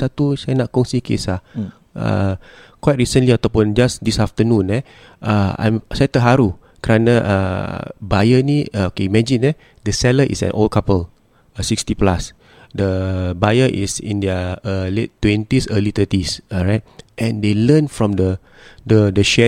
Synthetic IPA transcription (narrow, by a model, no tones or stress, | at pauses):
sat̪usajnaʔ̚kɔ̃ŋsikḛsa | ə̰ | kwaɪjt̚ɹisə̃nliat̪ɔpũnd͡ʒasdisaft̪ənũnɛ | ʔəã̰jmsajt̪əɦaɾu | kəɾanaʔə̰bajəniokeimɛd͡ʒĩnɛ | dəsɛləʔḭsɛ̰̃nʔo̰lkapəl | sikstiplas | dəbajəʔḭsḭ̃ndəəlettːwɛ̃ntisəlit̪ətisɔɹaɪt̚ʔɛ̃ndelənfɹɔ̃mdə | dədəʃɛ